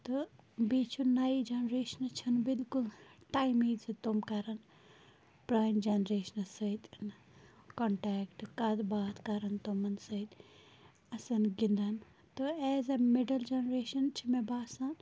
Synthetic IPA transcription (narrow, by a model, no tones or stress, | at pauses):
t̪obiːt͡ʃʰunaːid͡ʒɐnɾeːʃɐnt͡ʃʰɐnbɪlkulʈaːimiːdsit̪omkɐɾɐn | pɾaːjmd͡ʒɐnɾeːʃɐnɐsɐit̪n | koɳʈɛːkʈkɐd̪baːt̪ʰkɐɾɐnt̪omɐnsɐit̪ | ɐsɐnɡind̪an | t̪oɛːzɐmeɖɐld͡ʒɐnɾeːʃɐnt͡ʃʰimebaːsan